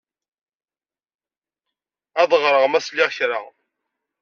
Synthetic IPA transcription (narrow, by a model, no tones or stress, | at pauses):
æðˤʁɾˤəʁmæslɪʁçɾa̰